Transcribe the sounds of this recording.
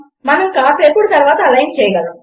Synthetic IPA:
mɐnɐmkaːʈɾepːuːɽt̪ɐɾʋaːt̪ɐɐlɐjnt͡ʃɛːjɡɐɭu

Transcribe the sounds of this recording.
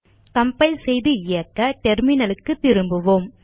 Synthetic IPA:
kɐmpɐɪsɛjðɯɪjɐkːɐʈɛɾmɪnɐlɯkːɯt̪ːɪɾɯmbɯʋoːm

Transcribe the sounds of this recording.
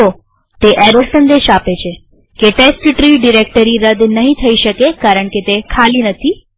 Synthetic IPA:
o | t̪eʔɛɾosənd̪eʃapet͡ʃʰe | keʈesʈʈɾiɖiɾekʈəɾiɾəd̪nəɦĩt̪ʰəiʃəkekaɾəɳket̪ekʰalinət̪ʰi

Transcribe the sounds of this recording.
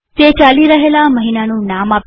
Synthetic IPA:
t̪et͡ʃaliɾəɦelaməɦinanũnamap

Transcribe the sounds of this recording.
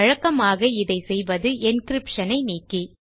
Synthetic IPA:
ɐɻɐkːɐmaːɣɐɪðɐɪsɛjʋɐðɯɛnkɪɾɪpʂɐnɐɪniːkːi

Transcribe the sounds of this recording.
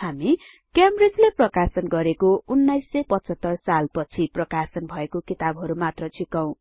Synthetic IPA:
hami | kjamred͡zleprʌkasʌnɡʌɾekounːajsːʌjpʌt͡sʌt̪ːʌrsalpʌt͡sʰiprʌkasʌnbʱʌekokit̪abʱɦʌɾumat̪rʌt͡sʰikaw̃

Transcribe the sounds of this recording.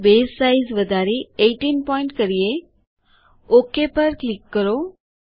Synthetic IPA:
beːsaizʋəd̪ʱaːɾieʈinpɔɪ̃ɳʈkəɾije | okepəɾklɪkːəɾo

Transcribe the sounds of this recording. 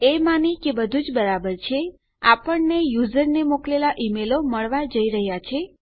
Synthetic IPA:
emanikebəd̪ʱud͡ʒbəɾabəɾt͡ʃʰe | a̰pəɳnejuzəɾnemoklelaʔimeloməɭʋad͡ʒəiɾəɦjat͡ʃʰe

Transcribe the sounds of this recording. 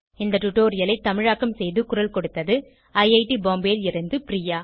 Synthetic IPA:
ɪnd̪ɐʈʊʈːoːɾɪjɐlɐɪt̪ːɐmɪɻaːkːɐmsɛjðɯkʊɾɐlkɔɽɯt̪ːɐðɯ | ɐɪjɐɪʈiboːmbeːlɪɾɐnd̪ɯpɾiːjaː

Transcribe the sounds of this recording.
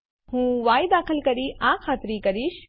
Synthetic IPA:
hũːʋaːjd̪aːkʰəlkəɾiʔãkʰaːt̪ɾikəɾiʃ

